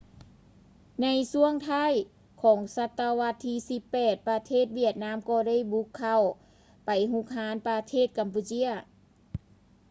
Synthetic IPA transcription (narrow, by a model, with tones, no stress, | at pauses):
na˧˥jsu˧˥əŋt̪ʰaː˧˥˩j | kʰɔː˨˩˦ŋsa˧t̪ːa˧ʋa˧˥t̪ʰːiː˧si˧˦pːɛː˨˩t̪̚pa˧t̪ʰeː˥˩t̪̚wi˧˩ət̪̚naː˧˥˨mkɔː˧˩da˧˥˨jbu˧˦kʰːa˧˩w | pa˨˩jɦu˧˥k̚haː˧˥npa˧t̪ʰeː˧˥˩t̪̚ka˨mpuː˧t͡ɕi˧˥˨ɐ